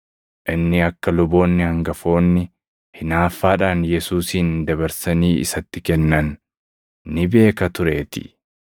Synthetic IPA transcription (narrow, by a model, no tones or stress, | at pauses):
ʔɪnːɪɐkːɐlʊbo̞ːnːɪhɐŋɡɐfo̞ːnːɪ | hɪnaːfːaːᶑaːnjɛsuːsiːnd̪ɐbɐɾsɐniːʔɪ̰sɐt̪ːɪkɛnːɐnː | ɪbe̞ːkɐt̪ʊɾe̞ːt̪ɪ̥̰